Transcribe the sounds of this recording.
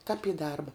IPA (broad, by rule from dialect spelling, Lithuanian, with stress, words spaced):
kɐp iː ˈdɐrbɐ